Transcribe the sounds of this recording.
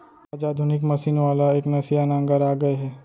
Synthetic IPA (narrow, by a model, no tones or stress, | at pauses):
aːd͡ʒaːd̪ʱʊnɪkmɐʃiːnʋaːlaeːknɐsijanãːŋɡəɾaːɡɐeɦɛː